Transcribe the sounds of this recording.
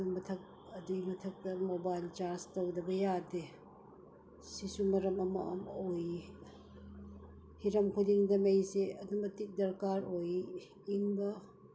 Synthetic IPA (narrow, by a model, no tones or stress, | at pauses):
mɐtʰɐk̚ | ɐdumɐtʰɐk̚tɐmobajlt͡ʃaɾstɐwdɐbɐjade | sisumɐɾɐmɐmɐ̰ɐmoj | hiɾɐmkʰudiŋdɐmejseɐdumbɐtik̚dɐɾkaɾoj | iŋbɐ